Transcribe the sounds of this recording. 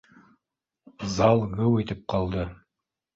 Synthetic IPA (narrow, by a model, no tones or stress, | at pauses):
zɑlˠɣɘwɘ̆t̪ɘp̚qɑlˠd̪ɤ